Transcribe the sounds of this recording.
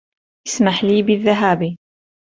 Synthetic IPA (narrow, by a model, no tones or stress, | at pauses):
ʔɪsmaħliːbɪðːaɦaːbi